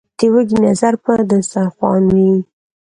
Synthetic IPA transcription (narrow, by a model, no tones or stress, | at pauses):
t̪ewəɡinazaɾpəd̪əsaxwɑ̰nwi